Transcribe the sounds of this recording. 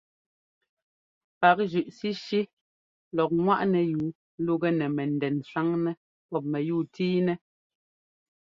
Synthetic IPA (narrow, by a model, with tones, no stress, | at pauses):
pa˨k̚ʒʉ˨ʔsi˦ʃi˦ | lɔ˨k̚ŋwa˦ʔnɛ˨juː˨˦ | lu˦ɡɛ˦nɛ˨mɛ˨n˨dɛ˨nsa˦ŋnɛ˦ | pɔ˦˨p̚mɛ˨juː˦˨tiː˦nɛ˦